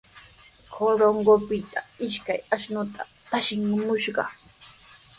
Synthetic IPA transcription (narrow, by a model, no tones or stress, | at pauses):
kʰoɾoŋɢopɪt̪ʰaɪʃkajaʃnʊt̪ʰa̰ | t̪aʃɪŋmʊʃɢɑ̰